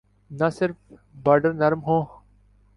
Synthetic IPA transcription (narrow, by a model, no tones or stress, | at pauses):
nasɪɾfbaːɾɖəɾnɐɾmɦõː